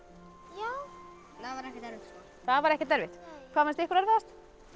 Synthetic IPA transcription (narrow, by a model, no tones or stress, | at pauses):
ja | naðvaɾɛhcɪt̪ɛɾvɪt̪so | θaðvaɾɛhcɪt̪ɛɾvɪt̪kʰvaːvanst̪ɛhkʏɾœɾvɛðast̪